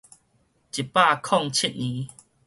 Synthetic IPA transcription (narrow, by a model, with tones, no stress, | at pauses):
t͡ɕi˨pa˥˧kʰɔ˥˧˨ŋt͡ɕʰi˦t̚nĩ˨˦